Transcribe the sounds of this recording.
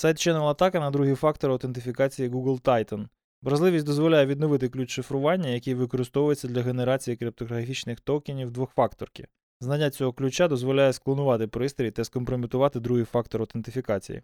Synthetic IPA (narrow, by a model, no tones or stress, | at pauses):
sɑjt̪̚t͡ʃɛnɛlˠɐt̪ɑkɐnɐd̪ɾuɦifɑk̚t̪ɔɾɐwt̪ent̪ɪfʲikɑt͡sʲijiɡuɡlˠt̪ɑjt̪ɐn | ʋɾɐʒlˠɪʋʲisʲtʲd̪ɔzʋɔlʲajɛʋʲid̪nɔʋɪt̪ɪklʲut͡ʃʃɪfɾʊʋɑnʲːɐjɐkʲijʋɪkɔɾɪst̪ɔʋʊjet͡sʲːɐd̪lʲɐɦe̞neɾɑt͡sʲijikɾɪp̚t̪ɔɦɐfʲit͡ʃnɪxt̪ɔkʲɪnʲiwd̪ʋɔxfɑkt̪ɔrkɪ̰ | znɐnʲːat͡sʲɔɦɔklʲʉt͡ʃad̪ɔzʋɔlʲajɛsklˠɔnʊʋɑt̪ɪpɾɪst̪ɾʲiit̪ɐskɔmpɾɔmʲit̪ʊʋɑt̪ɪd̪ɾuɦifɑkt̪ɔɾɐwt̪ent̪ɪfʲikɑt͡sʲḭjḭ